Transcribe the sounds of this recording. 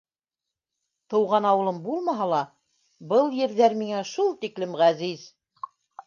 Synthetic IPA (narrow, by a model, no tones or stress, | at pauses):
t̪ɤ̆wʁɑnɑwɤ̆lˠɤmbulˠmɑɦɑlˠɑ | bɤlˠjɘ̆ɾðæɾmiŋæʃulˠt̪iklɘmʁæziz